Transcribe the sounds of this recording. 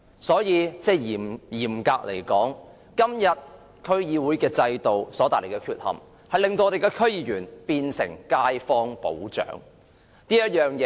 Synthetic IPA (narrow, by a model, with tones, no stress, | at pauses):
sɔː˨˥jiː˨˧t͡sɛː˧˥jiː˨˩mjiː˨˩mkaː˧k̚lḛ˨˩jkɔː˨˥ŋ | kɐ˥mjɐ˨t̚ | kʰɵ˥ɥjiː˨˧wuː˨˥jkɛː˧t͡sɐ˧jt̪o˨wsɔː˨˥t̪aː˨˩le˨˩kɛː˧kʰyː˧t̚hɐ̰˨m | hɐ˨jlɪ˨ŋt̪o˧wɔ˧te˨jkɛː˧kʰɵ˥ɥjiː˨˧jyː˨˩npiː˧nsɪ̰˨˩ŋkaː˧˥jfɔː˥ŋpo̰˨˥wt͡ʃœ̰ː˨˥ŋ | niː˥jt̚jœː˨ŋjɛː˨˧